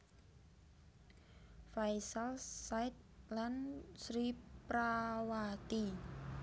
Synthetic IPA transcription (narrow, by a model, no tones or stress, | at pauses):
fajsalsajt̪̚lansɾipɾawat̪i